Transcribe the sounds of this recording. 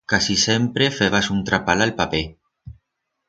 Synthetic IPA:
kasisempɾefeβasunt̪ɾapalalpape

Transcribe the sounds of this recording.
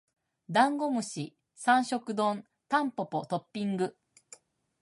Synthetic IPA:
d̪ãŋɡo̞mɯ̟ɕi | sãɰ̃ɕo̞kɯ̟d̪õ̞n | t̪ãmpo̞po̞t̪o̞pʲːĩŋɡɯ̟

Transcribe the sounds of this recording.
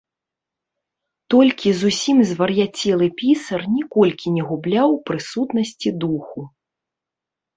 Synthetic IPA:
t̪ɔlʲkʲizusʲimzvɐrjat͡sʲɛlˠɨpʲisɐrnʲɛkɔlʲkʲinʲɛɣublʲawpɾɨsut̪nɐsʲt͡sʲid̪uxu

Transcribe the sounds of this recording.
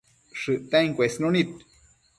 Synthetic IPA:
ʂɨʔt̪aiŋkʷesnonit̪

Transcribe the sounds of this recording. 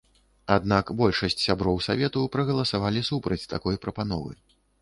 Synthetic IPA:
ad̪nakbɔlʲʂɐsʲt͡sʲsʲabɾɔwsavʲɛt̪upɾɐɣɐlˠɐsavalʲisupɾɐt͡sʲt̪akɔjpɾɐpan̪ɔ̰vɨ̰

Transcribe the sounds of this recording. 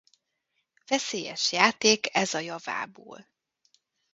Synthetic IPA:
v̥ɛseːjɛʃjaːt̪eːkɛzɒjɒva̰ːbo̰ːl

